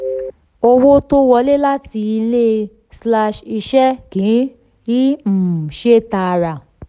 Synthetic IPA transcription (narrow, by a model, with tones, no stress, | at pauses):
o˧wo˦to˦wɔ˧˦le˦la˦ti˧i˧le˦ | sla˧ʃi˧ʃɛ˦ɡĩ˨˦ | i˦m̩˨ʃe˦ta˧ɾa˨